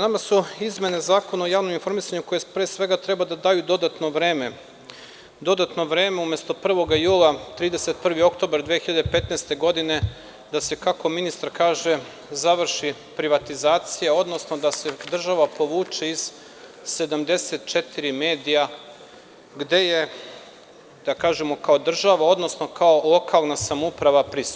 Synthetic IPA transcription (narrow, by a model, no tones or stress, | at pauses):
namasuizme̞ne̞zaːko̞naojaːʋno̞minfo̞ɾmisaɲuko̞jepɾeːsʋe̞ɡat̪ɾebad̪ad̪aːjud̪o̞d̪at̪no̞ʋɾeːme | d̪o̞d̪at̪no̞ʋɾeːme̞umje̞st̪o̞pr̩ʋo̞ɡajuːlˠat̪ɾiːd̪e̞set̪̚pr̩ʋio̞kt̪obaɾd̪ʋeːxiʎad̪epe̞t̪neːst̪e̞ɡo̞d̪ine̞ | d̪ase̞kako̞minist̪aɾkaːʒe | zaʋr̩ʃi | pɾiʋat̪izaːt̪sijao̞d̪no̞sno̞d̪ase̞d̪r̩ʒaʋapo̞ʋuːt͡ʃeiz̥ | se̞d̪amd̪e̞set̪t͡ʃet̪iɾime̞ːd̪ija | ɡd̪e̞je̞ | d̪̥akaːʒemo̞kao̞d̪r̩ʒaʋao̞d̪no̞sno̞kaolˠo̞kʰalˠnasamoupɾaʋapɾist̪